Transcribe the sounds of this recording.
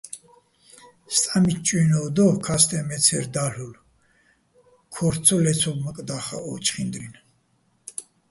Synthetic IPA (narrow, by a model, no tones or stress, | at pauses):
st̪ʼamit͡ʃʼwinɔd̪ɔhkʰast̪ʰʼɛmɛt͡sʰɛɾd̪aɬul | kʰɔɾt͡sʰɔlɛt͡sʰɔbməkʼd̪aχa̰ɔ̰t͡ʃʼχind̪ɾin